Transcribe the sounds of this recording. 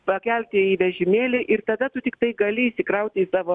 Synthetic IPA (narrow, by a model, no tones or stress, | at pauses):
pɐkʲɛlʲt̪ʲɪiʋʲɛʒʲɪmʲeːlʲɪʔɪrt̪ɐd̪ɐt̪ʊt̪ʲɪkt̪ɐɪɡɐlʲɪiʃsʲɪkɾɐʊt̪ʲɪisɑːʋoː